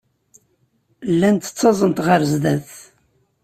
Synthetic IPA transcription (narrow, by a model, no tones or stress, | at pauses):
lːænt̪ə̥t͡sːɑzˤənt̪ʁəɾzd̪æθ